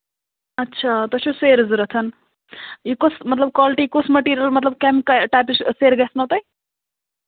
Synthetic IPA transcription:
ɐtːʃʰat̪ʌsʰoseɾzɾɐt͡s̪ʰɐn | ikosmɐt̪ləb̚kalʈikosmɐʈiɾijɐlmɐt̪ləb̚kamkaʈapisseɾɡɛsnʌt̪ɐj

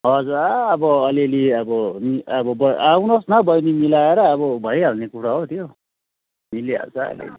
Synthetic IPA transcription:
ɦʌd͡zuraːbʌʌleliʌbʌmiʌbʌbʌawnʌsnʌbʌjnimilaeɾʌːbʌbʱʌjalnekuɾaɦot̪ʰjo | milia̰lt͡sʰʌʌ̰lḛli

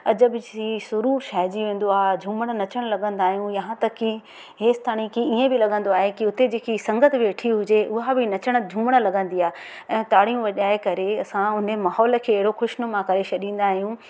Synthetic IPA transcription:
ɐ̰d͡ʑəbɪisʊɾuːɾʃaːɪd͡ʑiʋẽːn̆d̪oaːɦed͡ʑʱũːməɽ̃ə̆nɐt͡ɕəɽ̃lɐɡə̃nd̪aːɦijũjɐɦãt̪ɐki | ɦeːst̪ʰaːɽ̃ikʰiiẽbɪlɐɠə̃nd̪oaːɦekiʊt̪ed͡ʑeːkʰisɐ̃ŋɡət̪ʰbʋeːʈʰiɦʊd͡ʑeʊɦabɪnɐt͡ɕəɽ̃əd͡ʑʱũːməɽ̃ə̆lɐɡə̃nd̪iaːɦe | ɛ̃ːt̪aːɽijũʋɐʄaːekɐɾeɐsãʊnəmaːɦɔːlə̆kʰeːɐɦɪɽoxʊʃnomãkɐɾet͡ɕʰɐɗĩːn̆d̪aːɦijũ

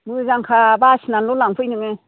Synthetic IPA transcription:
muzaŋkʰabasnalolaŋpʰɯjnɯŋe

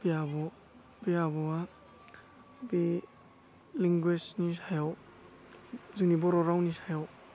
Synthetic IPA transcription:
bijabɔ | bijabɔa | bi | liŋɡwesnisajaw | zɯŋnibɔɾɔɾawnisajaw

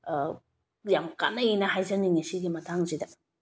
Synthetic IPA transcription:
jamka̰nːɐinɐhajzɐniŋisiɡimɐtʰaŋzidɐ

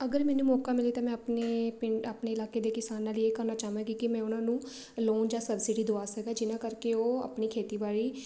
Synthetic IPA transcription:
əɡəɾmɛːnũːmɔːkaːmɪliːt̪ãːmɛ̃ːəpneːɪapneːɪlaːkeːd̪eːkɪsaːnːaːlieːkəɾnaːt͡ʃaːɦʋãːɡiːkɪmɛ̃ːʊnãːnũː | loːnd͡ʒaːsəbsɪɖiːd̪oaːsəɡaːd͡ʒɪnãːkəɾkeoːa̰ːpniːkʰeːt̪iːbaːliː

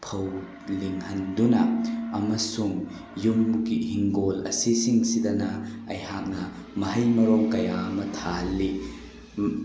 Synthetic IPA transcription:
pʰɐw | liŋhɐndunɐɐmɐsuŋ | juŋmukihiŋɡolɐ̰sisiŋsidɐnɐɐjhak̚nɐ | mɐɦɐjmɐɾɔŋkɐjamɐtʰalːi

